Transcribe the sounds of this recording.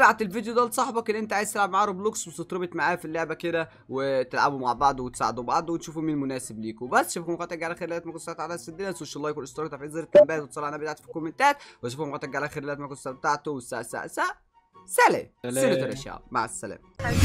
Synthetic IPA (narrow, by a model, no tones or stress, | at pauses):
lʕat̪elvid̪jod̪æːlsˤɑħbɑkenːʔent̪æʕajezt̪elʕabmaʕaːɾˤobluːksweset̪ˤɾɑbet̪maʕaːfilːoʕbæked̪æ | wet̪elʕa̰bumaʕbɑʕd̪ˤwet̪e̥sa̰ʕed̪ubɑʕd̪ˤwenʃuːfumiːnmonæːsebliːkobæsːʃofkmqɑːt̪eʕɡʕalæʔæxeɾlːæːt̪mækont̪sb̚t̪aʕt̪ːsæd̪ːelæsoʃælːɑːjækulnʔenst̪ɾɑkt̪ˤɑɾfizˤiːɾet̪ːæmbæːt̪wet̪sˤɑlːɑʕʔænæbet̪aʕt̪fi̥kːomːent̪æːt̪wæʃ̬ufkmqæt̪eʕɡʕlʔæxeɾlælæt̪mækont̪sæbet̪aʕt̪owesæ̰ʔsæ̰ʔsæʔ | sælæ̰enæt̪eɾʔæʃæ̰ʕma̰ʕsːæ̰læ̰ːm